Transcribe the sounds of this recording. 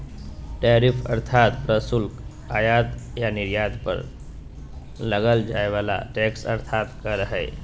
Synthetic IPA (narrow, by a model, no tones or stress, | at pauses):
ʈɛːɾipʰə̰ɾt̪ʰaːt̪pɾəsulk | ajat̪janɪɾjaːd̪pə̰ɾ | ləɡəld͡ʒaːeʋaːla̰ʈɛksə̰ɾt̪ʰaːt̪kəɾəɦɛ